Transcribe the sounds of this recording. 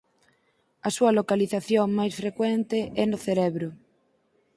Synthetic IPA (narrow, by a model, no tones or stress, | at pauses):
ɐsuɐlokaliθaθjoŋmajsfɾekwent̪ɪʔɛnʊθeɾɛβɾʊ